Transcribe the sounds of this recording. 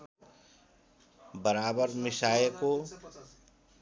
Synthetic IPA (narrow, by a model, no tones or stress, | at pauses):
bəɾaːbəɾmɪʃaːjko